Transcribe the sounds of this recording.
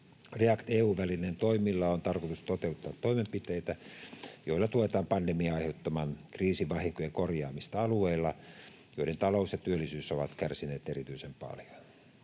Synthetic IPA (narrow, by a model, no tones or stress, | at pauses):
reɑkt̪eːuːʋʋælinent̪oimilːɑont̪ɑrkot̪ust̪ot̪eut̪ːɑːt̪toimempit̪eit̪æjoilːɑt̪uet̪ɑːmpɑndemiɑɑiheut̪ːɑmɑːnkriːsiʋɑhiŋkojɑkorjɑːmist̪ɑɑlueilːɑ | joident̪ɑlousjɑt̪yølːˑisyːsoʋɑt̪kærsineːt̪erit̪yisempɑ̰ljo̥n